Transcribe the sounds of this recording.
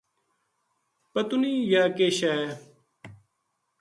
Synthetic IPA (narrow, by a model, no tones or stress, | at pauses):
pɐt̪unijaːkeːɕaːe